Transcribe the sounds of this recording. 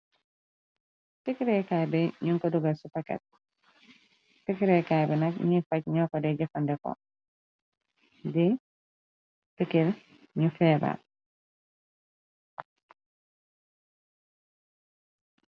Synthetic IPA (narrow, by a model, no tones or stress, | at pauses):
tikiɾɛkabɛɲuŋkɔduɡasupakɛ̰t̚ | tikɾɛkajbɛnakɲifac̚ɲɔkɔdɛɟɛfandɛkɔ̰ | di | pikil | ɲufɛːba̰